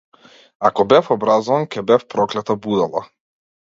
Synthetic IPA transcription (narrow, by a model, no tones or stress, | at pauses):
akɔbɛfɔbɾazɔvankʲɛbɛfpɾɔklɛt̪abud̪alˠa̰